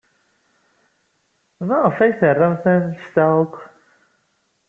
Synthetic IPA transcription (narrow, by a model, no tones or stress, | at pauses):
mæʁəfæjθərˤːɑmθænst̪ækʷː